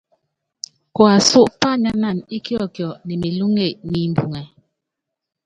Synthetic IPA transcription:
kɔ˨a˨su˦ʔpa˦˨ɲa˦na˦˨ni˦kjɔ˦˨kjɔ˨nɛ˨mi˨lu˦ŋe˦˨ʔni˨m̩˨bu˨ŋɛ˨

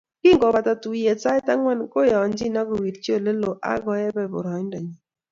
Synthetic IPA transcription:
kɪ˦ŋɡɔ˨ba˨ta˨tu˨je˨t͡ʃa˦ɪ˦ta˦ŋwa˦nko˦jɔ˨nd͡ʒi˦na˦ɡo˨wi˨ɾt͡ʃjo˦˨le˦lo˨ʔa̰˦ɡɔ˨˦jɛ˦bɛ˨bʊ̰˨ɾɔ˨˦ɲn˦da˨ɲi˨

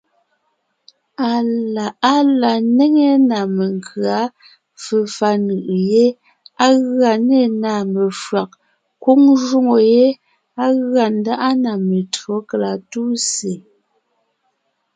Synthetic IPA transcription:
a˨a˦la˨ne˦ŋe˦na˨me˨ŋ˨kʰɰa˨˦ | fə˨fa˦nɯ˨ʔje˦ | a˦ɣɰa˨ne˦˨na˨me˨fɰa˨k̚ | kwu˦ŋʒu˦ŋo˨je˦ | a˦ɣɰa˨n̩˦da˦ʔa˦na˨me˨tɰo˦ke˨la˨tu˦se˨

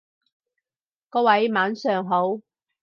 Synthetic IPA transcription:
kɔː˧wɐ˨˥jmaː˨˥nsœː˨ŋɦo˨˥w

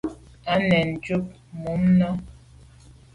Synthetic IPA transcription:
a˨˦nɛ˨n̩˨d͡ʒu˦p̚ | mu˨˦mnɔ˦

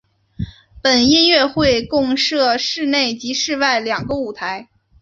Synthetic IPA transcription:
pə˨˩ni˥˧nɥɛ˥˧xwe˥˧ɪkʊ˥˧ŋʂɤ˥˧ʂɻ̩˥˧ne˥˩ɪt͡ɕi˧˥ʂɻ̩˥˧wa˥˩ɪljɑ˨˩ŋɡə˦u˨˩t̪ʰa˧˥ɪ

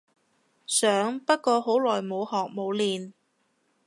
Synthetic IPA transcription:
sœː˨˥ŋpɐ˥t̚kɔː˧ɦo˨˥wlɔː˨˩jmo˨˧whɔː˨k̚mo˨˧wliː˨n

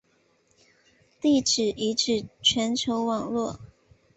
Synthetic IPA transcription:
t̪i˥˩ʈ͡ʂɻ̩˨˩ʔi˧˥ʈ͡ʂɻ̩˥˩t͡ɕʰɥɛ˧˥nt͡ɕʰjo˧˥ʊwɑ˨˩ŋlwɔ˥˩

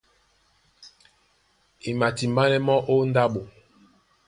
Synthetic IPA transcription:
e˨ma˨ti˨mba˦nɛ˦mɔ˦ʔo˦nda˦ɓo˨

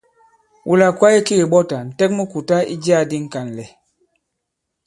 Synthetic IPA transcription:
ʔu˨la˨kwa˦i˦ki˦ɣi˨ɓɔ˦ta˨n̩˨tɛ˦k̚mu˦ku˨ta˦ḭ˦d͡ʒi˦a˦˨di˦ŋ̩˨ka˨n˨lɛ˨

